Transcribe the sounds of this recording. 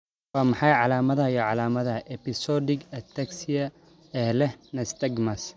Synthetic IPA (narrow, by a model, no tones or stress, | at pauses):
wɑːmɑħɑjʕɑlaːmɐðɐjɔʕɑlaːmɐðɐʔɛpɪsɔdɪɡɛt̪ʰɐksɪjɐ | ɛhlɛnɐst̪ɛɡmɐs